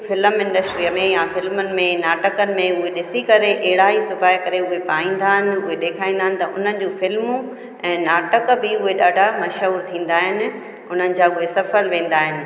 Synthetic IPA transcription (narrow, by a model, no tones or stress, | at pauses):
fɪləmɪ̃ɳɖəsʈɾimẽjafɪlmʊnɪ̆mẽnaːʈəkənɪ̆mẽʊɦeɗɪsikɐɾeʔɐɦɪɽaːɦisʊbaːikɐɾeʊɦepaːĩːn̆d̪aːɦɪnɪ̆ʊɦeɗeːkʰaːĩnd̪aɦɪnɪ̆t̪ɐʔʊ̰n̤ənɪ̆d͡ʑũːfɪlmu | ɛ̃ːnaːʈəkbɪʊɦeɗaːɖʱamɐʃɦuːɾt̪ʰĩːn̆d̪aːɦɪnɪ̆ | ʊn̤ənɪ̆d͡ʑaːʊɦesɐfəlʋẽːn̆d̪aːɦɪnɪ̆